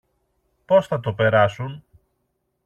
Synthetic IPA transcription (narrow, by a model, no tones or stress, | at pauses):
po̞sθɐt̪̬o̞pe̞ɾɐsun